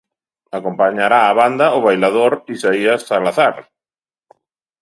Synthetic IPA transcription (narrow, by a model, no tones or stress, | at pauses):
akompaɲaɾaːβand̪aʊβajlaðoɾisaiasalaθaɾ